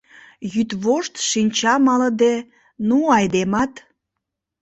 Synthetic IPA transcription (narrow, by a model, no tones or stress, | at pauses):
jyt̪βoʃt̪ʃinʲt͡ɕɑmɑləd̪e | nuɑjd̪emɑt̪